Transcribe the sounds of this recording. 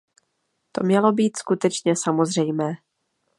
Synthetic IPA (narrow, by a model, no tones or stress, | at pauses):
t̪o̞mɲɛlo̞biːt̪skut̪ɛt͡ʃɲɛsamo̞zr̝ɛjmɛː